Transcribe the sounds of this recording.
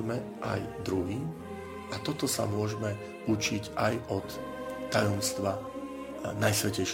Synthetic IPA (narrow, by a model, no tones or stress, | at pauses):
mɛ | ʔa̰jd̪ɾuɦiːm | at̪ɔt̪ɔsa̰mʊɔʒɛmɛ | ut͡ʃicajɔt̪ː | ajɔmst̪ʋa | najsʋɛcɛjʃ